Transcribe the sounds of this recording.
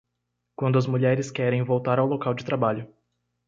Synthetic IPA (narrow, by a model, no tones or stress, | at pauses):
kwɐ̃nd̪ʊɐzmuʎɛɾɪskɛɾẽj̃vowt̪aɾawlokawd͡ʒɪt̪ɾabaʎʊ